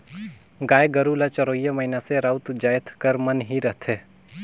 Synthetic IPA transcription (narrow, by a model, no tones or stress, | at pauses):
ɡaːeɡəɾulat͡ʃəɾoːijaməɦinaseɾaʊt̪d͡ʒaːjt̪ʰkəɾmənɦiɾəɦt̪ʰeː